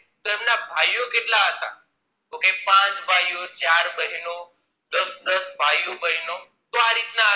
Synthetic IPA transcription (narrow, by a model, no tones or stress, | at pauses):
t̪oemnabʱajokeʈlaɦət̪a̰ | okepãt͡ʃbʱajot͡ʃaɾbəɦino | d̪əsd̪əsbʱajobəɦino | t̪oaɾit̪nãɦ